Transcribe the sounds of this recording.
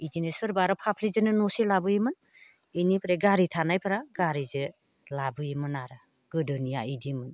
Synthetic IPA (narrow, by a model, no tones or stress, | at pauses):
id͡ʒinesɯɾbaɾɔpʰapʰlizɯnɯnɔselabɯjimɯn | inipʰɾeɡaɾitʰanajpʰɾaɡaɾizɯ | labɯjimɯnaɾa | ɡ̥ɯdɯnijaidimɯn